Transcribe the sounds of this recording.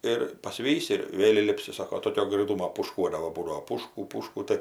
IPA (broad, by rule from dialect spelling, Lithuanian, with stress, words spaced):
ɪr pɐˈsʲʋʲiːsʲɪ ɪr ˈʋʲeːlʲ iːˈlʲɪpʲsʲɪ ˈsɑːkoː toːˈkʲoː ɡrɐɪˈtuːmoː puːʃˈkuɔdɐʋoː ˈbuːdɐʋoː ˈpuːʃkʊ ˈpuːʃkʊ ˈtɜ